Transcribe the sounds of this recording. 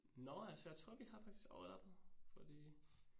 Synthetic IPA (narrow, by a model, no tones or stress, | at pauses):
nɒælsəjäɪt͡sʰʁo̝ɐ̰ʋihɑ̈fɑ̈ɡ̥̚d̥isɡ̥ɒð̩ˠɒb̥fɒ̽d̥ḭː